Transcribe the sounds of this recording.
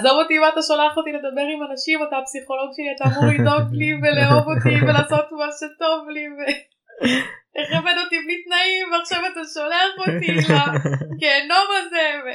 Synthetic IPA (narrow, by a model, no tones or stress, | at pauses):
zamot̪imaːt̪aʃolaχot̪ile̞d̪abe̞ʁimanaʃimat̪apsiχo̞lo̞ɡʃe̞liat̪aːmuʁlido̞ɡliveleovo̞t̪ivelaːso̞t̪maʃet̪o̞vlive | eχavedot̪iblit̪naimveaχʃavat̪aʃo̞laχot̪ilakeːno̞maze̞ve